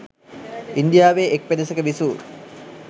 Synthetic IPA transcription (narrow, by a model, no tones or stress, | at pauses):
ind̪ijaːʋeːʔek̚ped̪əsekəʋisuːɾ